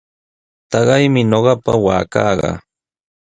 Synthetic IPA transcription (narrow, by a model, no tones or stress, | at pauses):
t̪ɑɢɑjmɪɲoɢɑpa̰waːkɑːɢɑ̰